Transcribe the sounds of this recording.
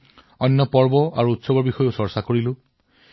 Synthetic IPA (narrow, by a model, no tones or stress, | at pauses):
ɔnːɔpɔɹbɔa̰ɹuːtsɔbɔbixɔjosɔɹsakoɹilu